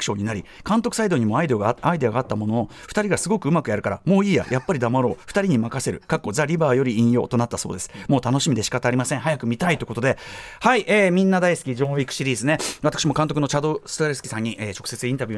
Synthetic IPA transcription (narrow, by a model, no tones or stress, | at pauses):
ɯ̥ɕo̞ɲ̟inaɾʲikãnt̪o̞kɯ̟said̪o̞ɲimo̞aid̪o̞ɡaid̪e̞aɡaːt̪ːamo̞no̞no̞ɸɯ̥t̪aɾʲiɡasɨɡo̞kɯ̟ɯ̟makɯ̟jaɾɯ̟kaɾa̰mo̞ːiːja̰jʔapːaɾʲid̪amaɾo̞̰ːɸɯ̥t̪aɾʲiɲ̟imakase̞ɾɯ̟̰kakːo̞zaɾʲibaːjo̞ɾʲiĩɰ̃jo̞ːt̪onat̪ːaso̞̰ːd̪e̞sɨ̥moːt̪ano̞ɕimʲid̪e̞ɕi̥kat̪aːɾʲimasẽɰ̃ɦajakɯ̟mʲit̪ait̪o̞ko̞t̪od̪e̞haiʔeːmʲĩnːad̪aisɨ̥kʲid͡ʑõːikɯ̟̥ɕiɾʲiːzɨne̞at̪akɯ̥ɕimo̞kãnt̪okɯnot͡ɕad̪o̞sɨ̥t̪oɾe̞sɨ̥kʲi̥sãɲ̟ːiʔeːt͡ɕo̞kɯ̥set͡sɨĩnt̪abʲiɨː